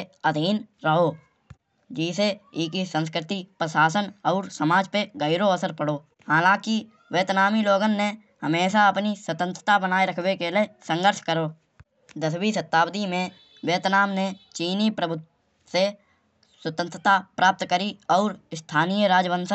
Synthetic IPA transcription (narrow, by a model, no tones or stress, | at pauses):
əd̪ʱiːnɾəɦoː | d͡ʒiːseikisə̃ns̬kɾɪt̪ipɾəʃaːsənɔːɾsəmaːd͡ʒpeɡəɪɾoəsəɾpəɽoː | haːlãːki | ʋeːt̪naːmiloːɡənːe | həmeːʃaəpniswət̪ə̃nt̪ɾət̪abənaːeɾəkʰwekelesə̃ŋɡəɾʃkəɾoː | d̪əswisət̪ːaːbd̪imẽ | weːt̪naːmnet͡ʃiːnipɾəbʱʊt̪ | se | swət̪ə̃nt̪ɾət̪apɾʔaːp̚t̪kəɾiɔːɾɪst̪ʰaːnijəɾaːd͡ʒʋə̃nsə